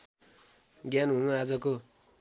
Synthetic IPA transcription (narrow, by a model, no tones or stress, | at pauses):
ɡjanɦunuad͡zʌko